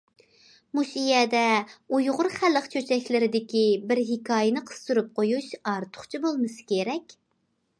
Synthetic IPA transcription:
muʃijɛd̪ɛujʁʊɾχælːəqt͡ʃʰøt͡ʃʰɛkʲlɪɾɪd̪ɪkʲibɪɾɦikʰɑːjɪnɨqʰə̥st̪uɾup̚qʰojuʃɑɾt̪ʰʊ̥χt͡ʃʰibolˠmɨsɨ̥kʲʰeɾɛkʲ

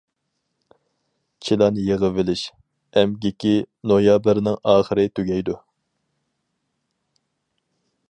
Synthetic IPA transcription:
t͡ʃʰilˠɑːnɨjeʁəvɪlɪʃ | ɛmɡʲikʲinojɑbɪɾnɪŋɑːχəɾɨt̪ʰyɡʲɛjd̪u

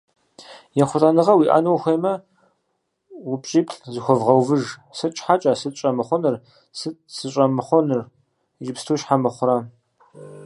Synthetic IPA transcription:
jɛχʷʊtʼanɨʁɐwiːʔa̰ːnɐwxʷeːmɐ | wʊpʼɕʼiːpʰɬzɨxʷɔvʁɐwvɨʒsɨt͡ʃʼħat͡ʃʼasɨt͡ʃʼɐmɨχʷɔnɨr | sɨsɨɕʼɐmɨχʷɔnɨr | ʒɪpstʰuːʃħamɨχʷʊɾa

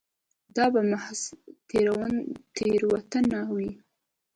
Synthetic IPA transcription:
d̪ɑbamahst̪eɾawant̪eɾwat̪anawi

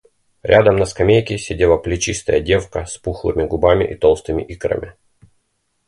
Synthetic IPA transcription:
ɾʲad̪əmnəskɐmʲejkʲɪsʲɪdʲelˠəplʲɪt͡ɕist̪əjədʲe̞fkəspuxlˠɨ̰mʲɪɡʊbamʲɪ̰ʔit̪olˠst̪ɨmʲɪʔikɾə̰mʲɪ

